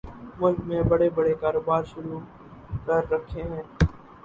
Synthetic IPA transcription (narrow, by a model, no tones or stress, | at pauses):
mʊlkmẽbəɽebəɽekaːɾoːbaːɾʃʊɾu | kəɾːəkʰːeɦɛ̃ː